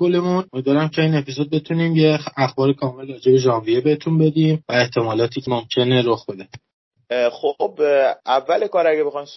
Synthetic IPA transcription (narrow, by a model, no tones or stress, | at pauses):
ɡole̞munomid̪væːɾæmcʰe̞iːne̞pʰisod̪̚be̞t̪ʰuniːmjeæxbɒːɾekʰɒːme̞lrɒːd͡ʒe̞be̞d͡ʒɒːviebehet̪ʰunbe̞d̪iːmvæe̞ht̪ʰe̞mɒːlɒːt̪ʰiːcʰemomcʰe̞neɾoxbe̞d̪e | xobævːælekɒːɾæɡebexɒjm